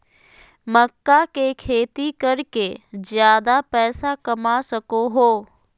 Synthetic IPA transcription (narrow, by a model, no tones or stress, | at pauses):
məkːakekʰeːt̪ikɐɾked͡ʒjaːd̪apɛːsakɐmasɐkoɦoː